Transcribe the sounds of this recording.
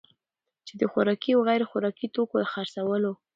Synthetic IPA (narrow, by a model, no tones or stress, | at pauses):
t͡ʃed̪əxaɾɑkiawɣajɾoxaɾɑkit̪okolaxaɾsawəlo